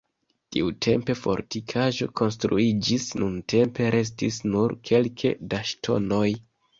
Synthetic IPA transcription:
tiutʰe̞̰mpe̞fo̞̰ɾtikʰaʒo̞̰ko̞ns̬tɾuid͡ʒisnuntʰe̞mpe̞ɾe̞s̬tisnuɾkʰe̞lkʰḛdaʃtʰo̞̰no̞j

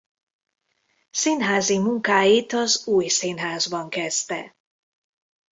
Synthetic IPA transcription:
sinɦaːzimuŋkaːjit̪ɒzuːjsiːnɦaːzbɒŋkɛst̪ɛ̰

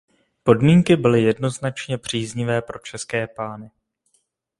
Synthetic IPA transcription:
po̞dmiːŋkɪbɪlɪjɛdno̞znat͡ʃɲɛpr̝̥iːzɲɪvɛːpɾo̞t͡ʃɛskɛːpaːnɪ

